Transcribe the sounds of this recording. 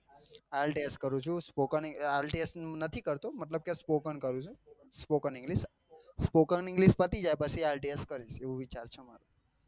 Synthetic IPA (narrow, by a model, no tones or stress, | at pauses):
alʈeeskəɾũt͡ʃʰũspokənalʈesnət̪ʰikəɾt̪omət̪ləb̚kespokənkəɾũt͡ʃʰũspokənɪ̃ŋɡlis | spokəniŋɡlispət̪id͡ʒajpət͡ʃʰialʈeeskəɾid͡ʒeʋũʋit͡ʃaɾt͡ʃʰema̰ɾu